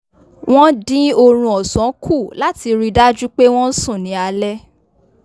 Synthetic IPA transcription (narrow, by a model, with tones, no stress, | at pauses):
w̃ɔ̃˦dĩ˦o˧ɾ̃ũ˧ɔ˨sɔ̃˨˦kʰu˦˨la˦ti˧ɾi˦˧da˦d͡ʒu˦k͡pe˦w̃ɔ̃˦sũ˦˨nĩ˨˦a˧lɛ˦